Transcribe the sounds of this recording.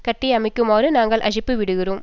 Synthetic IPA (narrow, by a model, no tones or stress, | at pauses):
kɐʈːiɐmɪkːɯmaːɾɯnaːŋɡɐɭʔɐʂɪpːɯʋɪɽɯɣɪroːm